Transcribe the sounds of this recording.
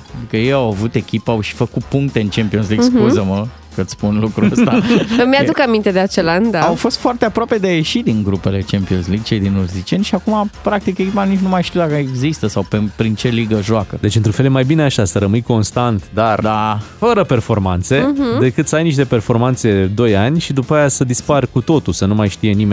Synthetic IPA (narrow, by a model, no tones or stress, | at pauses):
ad̪ikəjejawavut̪e̞kʲipəawʃi̥fəkut̪̚puŋk̚t̪e̞ɨnt͡ʃempio̞nsliɡskuzəmə | kət̪sʲspunlukɾuəst̪amjad̪ukamint̪ed̪eat͡ʃeland̪aawfo̞st̪foart̪eapɾoape̞d̪eaje̞ʃid̪iŋɡɾupe̞le̞t͡ʃempio̞nsliɡ̚t͡ʃejd̪inuzit͡ʃie̞nʃiakumapɾak̚t̪ikekʲipanit͡ʃnumajʃt̪iuwd̪akəeɡzist̪əsawpepɾint͡ʃe̞liɡəʒoakəd̪e̞t͡ʃɨnt̪ɾunfeljemajbineaʃasəɾəmɨjko̞nst̪ant̪d̪ard̪afəɾəpe̞rfo̞rmant̪se̞d̪e̞kɨt̪səajniʃ̬t̪e̞pe̞rfo̞rmant̪se̞d̪o̞janʲʃid̪upaajasəd̪isparkut̪o̞t̪usənumajʃt̪ije̞nime